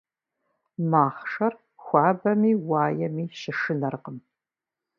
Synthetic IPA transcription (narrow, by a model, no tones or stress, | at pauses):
maːχʂɐr | xʷɑːbɐmiːwaːjɛmiːʃɪʂɨnɐrqəm